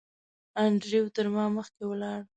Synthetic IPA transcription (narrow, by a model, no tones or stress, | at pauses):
aɳɖɾiwt̪əɾmɑməxkewəlɑɽ